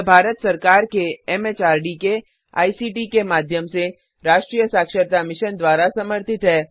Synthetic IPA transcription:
bʱaːɾət̪sɐɾkaːɾkeɛmeːt͡ʃaːɾɖike | a̰ːisiːʈikemaːd̪ʱjəmse | ɾaːʃʈɾiːjəsaːkʃəɾt̪amɪʃənd̪waːɾasɐməɾt̪ɪt̪ɦɛː

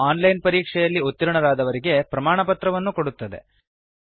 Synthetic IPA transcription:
aːnlɐjnpɐɾiːkʂɛjɐlːiot̪ːiɾuɳɐɾaːd̪ɐʋɐɾiɡe̞pɾɐmaːɳɐpɐt̪ɾɐʋɐnːuko̞ɽut̪ːɐd̪e̞̰

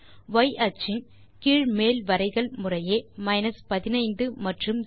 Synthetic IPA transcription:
ʋɐɪʔɐt͡ʃɪn | kiːɻmeːlʋɐɾɐɪɣɐɭmʊrɐjeːmɐɪnɐspɐðɪnɐɪnd̪ɯmɐʈrɯm

